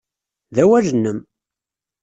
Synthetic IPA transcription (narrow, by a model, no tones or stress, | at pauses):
ðæwæʒənːəm